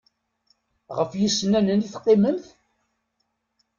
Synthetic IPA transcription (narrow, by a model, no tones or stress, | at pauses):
ʁəfjisːnænəniθqːɪmənθ